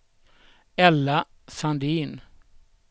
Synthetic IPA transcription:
ɛlːa | sand̪iːn

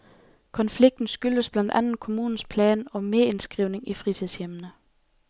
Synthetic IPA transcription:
kʰɒ̽nfliɡ̥̚d̥n̩sɡ̥yl̥əsb̥læn̰d̥ænn̩kʰo̝muːn̩spʰlɛːnɒ̽meɐe̝nsɡ̥ʁiʊne̝ŋifʁit͡sʰiðˠsjemənə

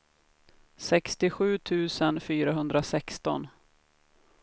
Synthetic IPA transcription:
sɛkst̪ɪɧʉ̟ːt̪ʰʉ̟ːsənfyːɾaɦɵnd̪ɾasɛkst̪ɔn

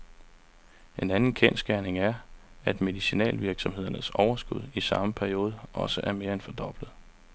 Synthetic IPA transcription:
e̝nænn̩kʰensɡ̥æɐne̝ŋæɐæd̥me̝ðˠisinɛ̰ːlʋiɐɡ̥sɒ̽mhe̝ð̞̰ˠɐnəsɒʊɐsɡ̥uð̞̰ˠisɑ̈məpʰæɐio̝ːð̞ˠʔɒ̽səʔæɐme̝ːɐenfɒ̽d̥ɒ̽b̥lð̩ˠ

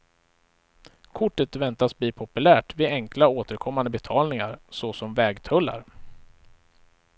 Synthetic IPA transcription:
kʰʊʈːət̪vɛnt̪asbliːpʰʊpɵlæːʈvɪɛŋklaoːt̪əɾkʰɔmːand̪əbɛt̪ʰɑːlnɪŋaɾsɔsɔmvɛːɡt̪ʰɵlːa̰ɾ

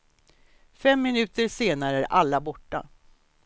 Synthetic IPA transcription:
fɛmːɪnʉ̟ːt̪əɾʂeːnaɾəæɾʔalːabɔʈːa̰

